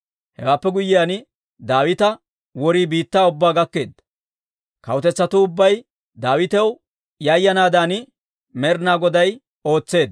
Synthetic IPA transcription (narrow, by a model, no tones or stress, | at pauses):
hɛ̰waːpːɛɡʊjːɪjaːn | d̪aːwɪt̪ɐ | wɔɾiːbiːt̪ːaːʊbːaːɡɐkːe̞ːd̪ɐ | kɐ̰wʊt̪ɛt͡sːɐt̪ʊʊbːɐj | d̪aːwɪt̪ɛw | jɐjːɐnaːd̪aːn | mɛɾnaːɡɔd̪ɐj | o̞ːt͡sːe̞ːd̪